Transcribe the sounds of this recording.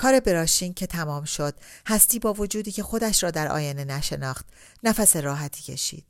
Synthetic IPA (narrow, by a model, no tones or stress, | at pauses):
kʰɒːɾe̞be̞ɾɒːʃiːŋcʰe̞t̪ʰæmɒːmʃo̞d̪̥̚hæst̪iːbɒːvo̞d͡ʒuːd̪iːcʰe̞xo̞d̪æʃɾɒːd̪æɾɒ̰ːjenenæʃe̞nɒːχt̪ | næfæse̞ɾɒːɦæt̪ʰiːcʰe̞̰ʃḭːd̪̥